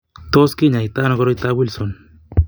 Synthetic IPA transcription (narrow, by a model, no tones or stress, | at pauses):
t̪ɔskiɲajt̪anɔɡɔɾɔjt̪abulsɔn